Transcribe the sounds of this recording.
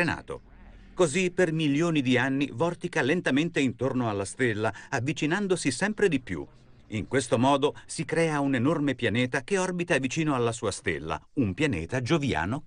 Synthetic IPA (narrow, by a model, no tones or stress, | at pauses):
ena̰ːt̪o̰ | kozipermiljoːnid̪ianːḭvɔrt̪ikalent̪ament̪eint̪ornoalːast̪elːaavːit͡ʃinand̪osisɛmpɾed̪ipjṵ | iŋkwest̪omɔːd̪osikɾɛːaunenormepjaneːt̪akeɔrbit̪avit͡ʃiːnoalːasuːast̪ḛlːa̰umpjanḛːt̪ad͡ʒovja̰ːno